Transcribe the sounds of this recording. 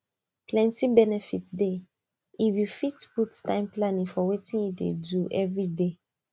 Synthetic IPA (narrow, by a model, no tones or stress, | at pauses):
plɛ̃ntibɛnɛfitde | iwifitputtã̰ɪ̃mplanĩŋfɔwetĩnjidḛduʔɛvɹide